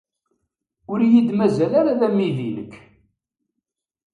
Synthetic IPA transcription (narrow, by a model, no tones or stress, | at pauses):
ʊɾjid̪mæzælaɾaðæmːiðilə̰kː